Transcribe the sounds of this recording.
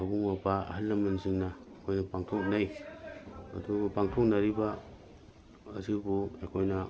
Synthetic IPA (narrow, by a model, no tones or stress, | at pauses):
abuŋmɐpaɐ̰halːɐmansiŋnɐ | ekʰojnɐpaŋtʰok̚naj | ɐ̰duɡapaŋtʰɔk̚nɐɾiba | zibuekʰojnɐ